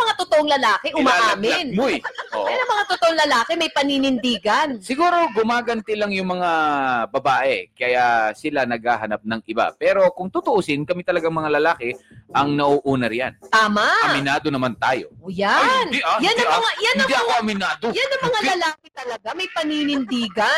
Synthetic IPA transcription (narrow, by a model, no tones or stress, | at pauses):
mɐŋat̪ot̪oʔoŋlɐlaːkɛʔʊmaʔalɐɪnmʊjɐo̰janɐŋmɐŋat̪ot̪oʔoŋlɐlaːkɛmɐjpɐniːnɪnd̪iːɡɐnsɪɡuːɾo̞ɡʊmaːɡɐnt̪ɛlɐŋjʊŋmɐŋabɐbaːʔɛkɐjasɪlanɐɡ̚haːɦɐnap̚nɐŋʔɪba̰pɛːɾo̞kʊŋt̪ʊt̪ʊʔusɪnkɐmɪt̪ɐlɐɡaŋmɐŋalɐlaːkɛʔɐŋnɐʔuːʔuːnɐɾja̰nt̪aːmaɐmɪnaːd̪onɐmant̪aːjo̞̰ojanijanɐmɐŋajanɐd̪iʔɐkoɐmɪnaːd̪ojanːɐŋmɐŋalɐlaːkɪt̪ɐlɐɡamɐjpɐniːnɪnd̪iːɡɐ